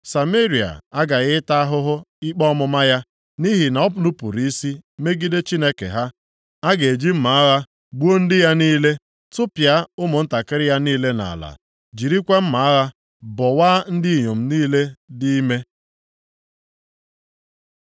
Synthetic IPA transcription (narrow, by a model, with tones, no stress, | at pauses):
sa˨me˦ɾi˨a̰˨a˦ɡa˨ɣɪ˦ta˦a˦ɦʊ˦ɦʊ˦ɪ˦k͡pɔ˦mʊ˨ma˦ja˦ | ni˦ɦi˨na˨ɔ˦p̬ʊ˨˦nʊ˦pʊ˨ɾi˦si˦me˦ɡi˦de˦t͡ʃi˦ne˦kḛ˨ɦa˦ | a˦ɡe˨d͡ʒi˦m̩˦ma˨a˦ɣa˦ | ɡ͡bu˦o˦n̩˦dɪ˦ja˦niː˦le˦ | tʊ˦pja˦ʊ˦mʊ˨n̩˦ta˨kɪ˦ɾɪ˦ja˦niː˦le˦na̰˨la̰˨ | d͡ʒi˨ɾi˦kʷe˦m̩˦ma˨a˦ɣa˦ | bɔ˨waː˦n̩˦dɪ˦i˨ɲo˨m̩˦niː˦le˦dɪ˦i˦me˦